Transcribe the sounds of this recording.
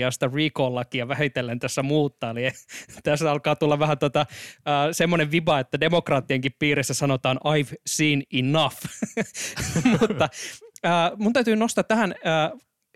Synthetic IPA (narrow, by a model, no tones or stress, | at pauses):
ɑst̪ɑriːkoːlːɑkijɑʋæhit̪elːent̪æsːæmuːt̪ːɑːliet̪æsːæɑlkɑːt̪ulːɑʋʋæhæt̪ot̪ɑəːsemːoneʋʋibɑet̪ːædemokrɑːt̪ːiɑŋkippiːresːæsɑnot̪ɑːnʔɑjʋsiːninɑf | mut̪ːɑəːmunt̪æyt̪yːnost̪ɑt̪ːæhænəː